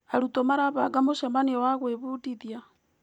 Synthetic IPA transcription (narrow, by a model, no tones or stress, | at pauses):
aɾutomaɾaβaɡamoʃamaniɔwaɣweβudiðja